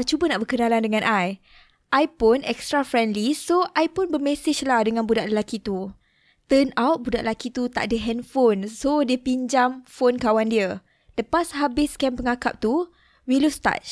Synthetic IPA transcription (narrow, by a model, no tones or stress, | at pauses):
t͡ʃubənaʔbərkənalandəŋãnʔaj | ʔajpʊnʔɛkst̪ɾafɾɛndlisoʔajpʊnbərmɛsɪt͡ʃlahdəŋãnbudaʔləlakit̪u | t̪ənawt̪̚budaʔlakit̪ut̪a̰ʔ̚dəɦɛnfonsodiəpiɲd͡ʒamfonkawandiə | dəpasɦabɪskɛmpəŋakap̚t̪u | wilust̪a̰t͡ʃ